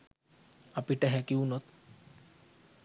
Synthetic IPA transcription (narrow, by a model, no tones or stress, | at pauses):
apiʈɛɦɛkiunɔt̪